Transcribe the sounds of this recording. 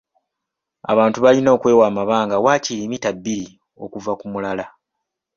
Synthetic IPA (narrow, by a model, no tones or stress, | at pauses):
a̰βaːntuβalino̞ːkwe̞ːwaːmaβaːŋɡawaːcilimitabːiɾi | o̞kuvakumulala